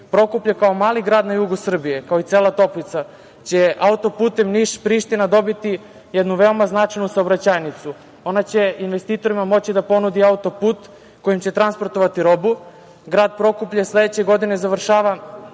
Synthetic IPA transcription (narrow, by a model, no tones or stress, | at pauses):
pɾo̞kupʎakao̞maːliɡɾaːd̪najuɡusr̩bije̞kaoit̪seːlˠat̪o̞plit̪sa | t͡ɕe̞ʔaut̪o̞puːt̪e̞mniʃpɾiʃt̪inad̪o̞bit̪i | jed̪nuʋeomaznat͡ʃajnusaobɾat͡ɕajnit̪su | o̞nat͡ɕe̞inʋe̞st̪iːt̪o̞ɾimamo̞t͡ɕid̪apo̞nud̪iaut̪o̞puːt̪ | ko̞jimt͡ɕe̞t̪ɾanspo̞ɾt̪o̞ʋat̪iɾo̞bu | ɡɾaːd̪̚pɾo̞kupʎasle̞d̪et͡ɕe̞ɡo̞d̪ine̞zaʋr̩ʃaːʋa